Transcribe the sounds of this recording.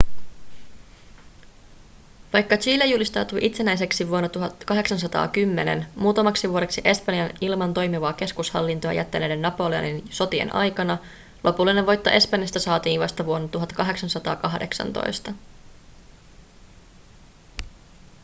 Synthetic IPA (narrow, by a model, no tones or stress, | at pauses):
ʋɑjkːɑt͡ʃiːlejulist̪ɑwt̪uʔit̪se̞næjs̬e̞ksiʋuo̞nːɑt̪uɦɑt̪kɑɦe̞ksɑns̬ɑt̪ɑ̰ːkymːe̞ne̞̰nmuːt̪ɑmɑksiʋuoɾe̞ksiʔe̞spɑnjɑnilmɑnt̪o̞jmiʋɑːke̞skushɑ̰lːint̪ojɑ̰jæ̰t̪ːæne̞ːde̞nːɑpo̞leɑ̰ninso̞t̪iḛnʔɑ̰jkɑnɑ | lʔo̞pulːine̞ʋʋo̞jt̪ːoʔe̞spɑnjɑst̪ɑsɑːt̪iːʋʋɑ̰st̪ɑʋuo̞nːɑt̪uɦɑt̪ːkɑɦeksɑnsɑt̪ɑ̰ːkɑɦde̞̰ksɑ̰nt̪o̰jst̪ɑ